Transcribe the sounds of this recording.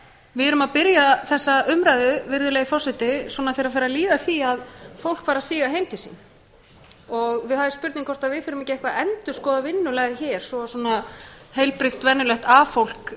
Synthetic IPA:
vɪðɛɾʏmaðpɪɾjaθɛsːaʏmɾajðʏvɪɾðʏleːjɪfɔsɛt̪ɪswɔːnaθejɾafɛːɾaliːðaθiaðfowl̥kfaːɾasiːɣaɦejmt̪ɪ̥sḭn | ɔɣvɪðhavɪspʏɾt̪niŋkʰɔr̥t̪aðvɪðθɪɾʏmɛcɪɛhkvaɛnt̪ʏ̥skɔːðavɪnːʏlɛɣɪçɛːɾ̥sɔswɔːnahejlpɾɪxt̪vɛnːʏlœht̪afowl̥k

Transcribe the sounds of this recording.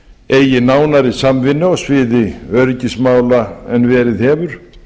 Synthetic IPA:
ejɪnaːwnaɾɪsamvɪnːʏɔsvɪːðɪœɾcɪsmaːwlaɛnvɛːɾɪðhɛːvʏɾ̥

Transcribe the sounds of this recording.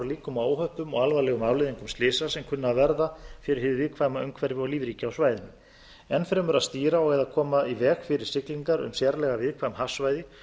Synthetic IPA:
ɾliːkʏmaːwɦœhpʏmɔɣalvalɛɣʏmawlɪðiŋkʏmst̪lɪːsasɛmkʰʏnːavɛɾðafɪɾɪɾhɪðvɪðkʰvaːmaœɥŋkʰvɛɾvɪɔɣliːvɾiːcaawsvaːjðʏm | ɛnːfɛɾɪmɛɾaðst̪iːɾaɔɣɛðakʰɔːmaðivɛːɣfɪɾɪɾ̥sɪkliŋkaɾʏ̰msjɛɾlɛɣavɪðkʰvamhafsvaːjðɪ

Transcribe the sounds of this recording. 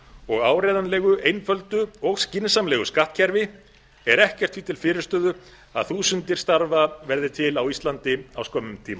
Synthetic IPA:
ɔɣaːwɾɛðanlɛːɣʏʔejnfœlt̪ʏɔɣscɪnsamlɛɣʏskaht̪cʰɛɾvɪ | ɛɾɛhcɛr̥t̪fiːt̪ʰɪlfɪːɾɪ̥st̪œːðʏ | a̰ðθuːsʏnt̪ɪɾ̥st̪aɾvavɛɾðɪt̪ʰɪlawist̪lant̪ɪawskɔːmʏmt̪ʰiːma

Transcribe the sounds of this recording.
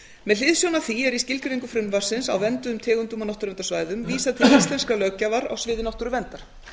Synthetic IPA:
mɛðl̥ɪðsjownaθiɛɾiscɪlk̪ʏɾiŋkʏfɾʏnvar̥sɪnsa̰wvɛnt̪ʏʏmt̪ʰɛːɣʏnt̪ʏmanɔht̪ʏɾvɛnt̪asvaːjðʏmviːsaðt̪ʰɪlist̪lɛnskalœcavaɾa̰ɣsvɪːðɪnɔht̪ʏɾʏvɛnt̪aɾ̥

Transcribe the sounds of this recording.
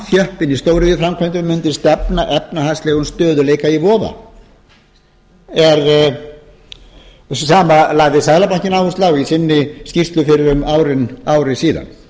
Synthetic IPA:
θjœhpɪnist̪oːwɾɪjɪfɾamkʰvɛnt̪ʏmːʏnt̪ɪst̪ɛpnaʔɛpnaɦastlɛːɣʏnst̪œːðʏleːjkaivɔːva̰ | ɛɾ | saːmalaɣðɪsaːjlapaɲ̥cɪnawvust̪lawisɪnːɪscirt̪lʏfɪɾɪɾʏmaːwɾɪnaːwɾɪsiːða̰n

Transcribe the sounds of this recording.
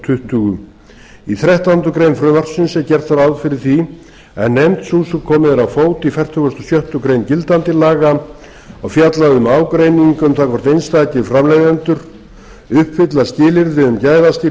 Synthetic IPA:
t̪ʰʏht̪ʏɣʏ | iθɾɛht̪ant̪ʏkɾejnfɾʏvar̥sʏnsɛcɛɾ̥t̪θaɾawðfɪɾɪɾ̥θi | ɛ̰nːejmt̪susʏkʰɔːmɪðɛɾawfoːwt̪ifɛr̥t̪ʰʏɣast̪ɔ̥sjœht̪ʏkɾejncɪlt̪ant̪ɪlaːɣa | aɣfjat̪laðʏmaːwkɾejniŋkʏmθakʰɔɾ̥t̪ejnst̪aːcɪfɾamlejðant̪ʏɾ̥ | ʏhpfɪt̪lascɪːlɪɾðɪʏmcaːjðast̪i

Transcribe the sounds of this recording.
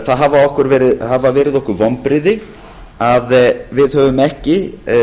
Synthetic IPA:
θaðɦavaɔhkʏɾvɛːɾɪhavavɛːɾɪðɔhkʏɾvɔmpɾɪðɪ | aðvɪðhœːvʏmɛhcɪ

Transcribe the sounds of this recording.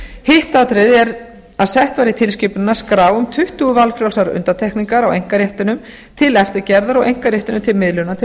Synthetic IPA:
hɪht̪at̪ɾɪðɛɾ | aðsɛht̪vaːɾɪt̪ʰɪlscɪpnɪnːaskɾaːwʏmt̪ʰʏht̪uɣʏvalfɾjawlsaɾʏ̰nt̪at̪ʰɛhkniŋkaɾawejŋ̥kaɾjɛht̪ʏnʏm | t̪ʰɪlɛft̪ɪɾcɛɾðaɾawejŋ̥kaɾjɛht̪ʏnʏmt̪ʰɪlmɪðlʏnat̪ʰɪ

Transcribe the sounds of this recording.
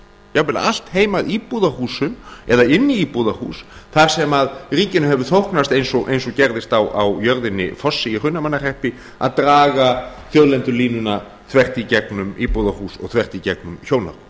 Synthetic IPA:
javɪl̰al̥t̪heːjmaðipuðahuːsʏmɛðaɪnːiipuðahṵːsθaɾ̥sɛmaðriːcɪnʏmɦɛvʏɾθowhknast̪ejnsɔɣʔḛjnsɔcɛɾðɪst̪awa̰wjœɾðɪnːɪ̰fɔsːɪɪr̥ʏnːamanːar̥ɛhpɪ | a̰ðt̪ɾaːɣa | θjœðlɛnt̪ʏliːnʏna | θvɛr̥t̪icɛknʏmipuðahusɔ̰ɣθvɛr̥t̪icɛk̚nʏmçowna̰

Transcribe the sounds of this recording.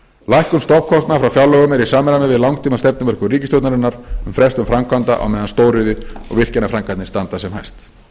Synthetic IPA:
lajhkʏmst̪ɔpkʰɔst̪nafɾawfjawlɔɣʏmɛɾisaːmɛɾamɛðvɪðlawŋt̪ʰiːmanst̪ɛp̚nɪmvɛɾ̥kʏriːcɪst̪jowt̪naɾɪnːaɾ̥ʏmfɾɛst̪ʏmfɾamkʰvant̪a̰ʔa̰wmɛːðanst̪oːwɾrɪðɪɔ̰ɣvɪr̥cɛnafɾaŋkant̪nɪst̪ant̪asɛmha̰jst̪

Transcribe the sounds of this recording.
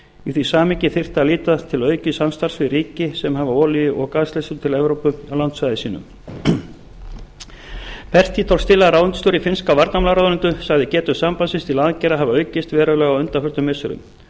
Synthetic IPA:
iθvisaːmɪcɪθɪr̥t̪aliːt̪at̪ʰɪlœːɥcʏsamst̪ar̥svɪɾiːcɪsɛmhavaɔːliɪʔɔɣkaːðst̪ɛsʏt̪ʰɪlɛvɾowpʏawlant̪svajðɪsiːnʏ̰m | pʰɛr̥t̪ʰit̪ʰɔwl̥st̪ɪlːaɾaːwʏnt̪ʏ̥st̪owɾifɪnskavaɾt̪namlaɾaðɾɪnt̪ʏsaɣðɪcɛːt̪ʏsampansɪnst̪ilaːðcɛɾaɦavaœːɥcɪst̪vɛːɾalɛːɣawœnt̪afʏɾt̪ʏmːɪsʏɾʏ̰m

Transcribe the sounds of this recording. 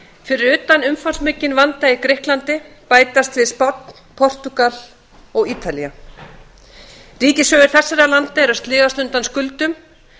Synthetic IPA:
fɪɾɪɾʏːt̪anʏmfansmɪcːɪnvant̪aikɾɪhklant̪ɪpaːjt̪ast̪vɪðspɔt̪̚n̥ | pʰɔr̥t̪ukal | ɔɣiːt̪ʰalia | riːcɪsœːɣɪɾ̥θɛsːaɾalant̪aɛɾast̪lɪːɣast̪ʏnt̪anskʏlt̪ʏm

